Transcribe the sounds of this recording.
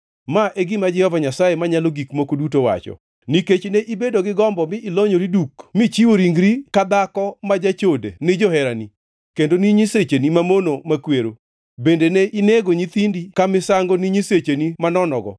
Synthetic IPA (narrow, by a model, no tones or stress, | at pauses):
maʔeɡɪmad͡ʒɛhɔvaɲasaemaɲaloɡikmokodutowa̰t͡ʃɔ̰ | niket͡ʃneʔibedoɡɪɡɔmbɔmɪɪloɲoɾidukmit͡ʃiwoɾiŋɡɾikad̪akɔmad͡ʒat͡ʃodenɪd͡ʒohɛɾani | kendoniɲiset͡ʃenimamonomakweɾo | bendeneʔineɡoɲit̪indikamɪsaŋɡoniɲiset͡ʃenimanɔnɔɡɔ̰